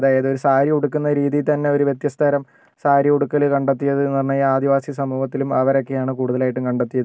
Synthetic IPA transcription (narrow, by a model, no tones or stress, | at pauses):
ðaːjɐðɨo̞ɾusaːɾiuɽukːunːɐɾiːðit̪ɐnːe̞o̞ɾuʋjet̪jɐst̪ʰɐɾɐm | saːɾiuɽukːɐlkɐɳɖet̪ːijɐðɨnirnɐjaːd̪iʋaːsisɐmuːhɐt̪ːilumɐʋɐɾo̞kːe̞jaːɳɨkuːɽuðɐlaːjiʈːumkɐɳɖet̪ːijɐðɨ